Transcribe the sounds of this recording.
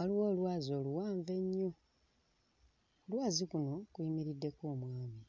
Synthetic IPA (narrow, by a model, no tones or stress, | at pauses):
oliwoːlwaːzio̞ːluwaːɱve̞ɲːo | olwaːzikuno̞kuimiɾidːe̞ko̞ːmwaːmi